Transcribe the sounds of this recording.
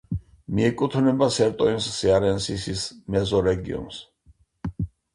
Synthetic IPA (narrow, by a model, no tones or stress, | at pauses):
miɛkʼut̪ʰnɛbasɛɾt̪ʼɔinsːiaɾɛnsisismɛzɔɾɛɡḭɔ̰ns